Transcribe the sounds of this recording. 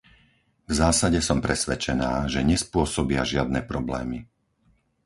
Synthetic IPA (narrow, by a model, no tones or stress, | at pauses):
vzaːsaɟɛsɔmpɾɛsʋɛt͡ʃɛnaːʒɛɲɛspʊɔsɔbɪaʒɪad̪nɛːpɾɔblɛ̰ːmi